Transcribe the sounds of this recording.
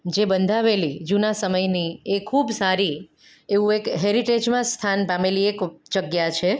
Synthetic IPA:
d͡ʒebənd̪ʱaʋelid͡ʒunasəməjniekʰubsaɾi | eʋũekɦeɾiʈed͡ʒmãst̪ʰanbameliekd͡ʒəɡjat͡ʃʰe

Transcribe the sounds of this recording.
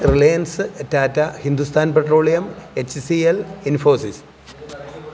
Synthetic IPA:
rilejɐnsɨetːaːtːɐhind̪ust̪ʰaːnpeʈro̞ːɭijɐmet͡ɕːsielinfoːsis

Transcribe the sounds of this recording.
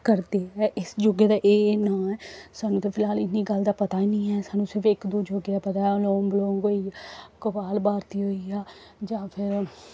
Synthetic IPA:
kəɾd̪eːɛːʔɪsd͡ʒoɡeːd̪aːʔeːnãːɛːsaːnũːt̪ẽːpʰɪlɦaːlɪnːiːɡəld̪aːpət̪aːinĩːɛːsaːnũːsɪɾpʰɪkd̪oːd͡ʒoɡeaːpət̪aːloːmbəloːŋɡoːiːkʊpaːlbaːɾt̪iːɦoːiːaːd͡ʒãːpʰɪɾ

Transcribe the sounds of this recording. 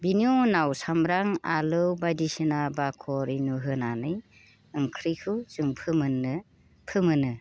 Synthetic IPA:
biniunawsamɾaŋalɯwbajdisɯnabakʰɔɾinuɦɯnanɯj | ɯŋkʰɾikʰɯzuŋpʰɯmɯnːɯ | pʰɯmɯnɯ

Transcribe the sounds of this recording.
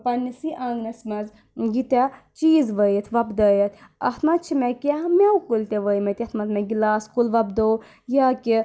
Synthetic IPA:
pɐnisiʔãŋɡnɐsmɐz | ɡit̪a | t͡ʃiːzʋəjɐt̪ʰʋɐbd̪ɐjɐt̪ʰɐt̪ʰmɐt̪̚t͡ʃʰimekemewkult̪eʋəjmɐt̪ʲɐt̪ʰmɐt̪mẽɡilaːskulʋɐbd̪ow | jaki

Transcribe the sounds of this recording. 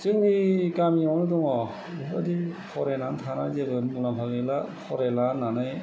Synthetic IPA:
sɯŋnikamiɔwnɯdɔŋɔ | adipʰɔɾenantʰanazebɯmulampʰaɡelapʰɔɾelananɯj

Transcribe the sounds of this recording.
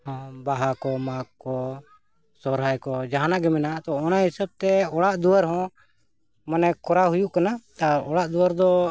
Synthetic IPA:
hɔ̃baɦakɔmakkɔ | sɔɾɦajkɔd͡ʒaɦanaɡɛmɛnat̪ɔɔnaɦisəb̚t̪ɛɔɽaʔd̪uwaɾɦɔ̃ | manɛkɔɾaɦujuʔkanat̪aɔɽaʔd̪uaɾd̪ɔ

